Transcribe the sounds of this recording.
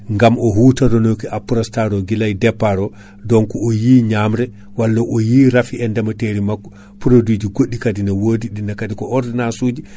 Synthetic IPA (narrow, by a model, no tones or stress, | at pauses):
ŋɡamʔɔɦuːtadɔnokiʔapɾɔstaɾɔɡilajdɛpːaɾɔ | dɔnkɔɔjiɲamɾɛ | walːaʔɔjiːɾafiɛndamateɾimakː | pɾodid͡ʒiɡoɗːikadinawoːdiɗinːakadikɔʔɔɾdɛnasuːd͡ʒi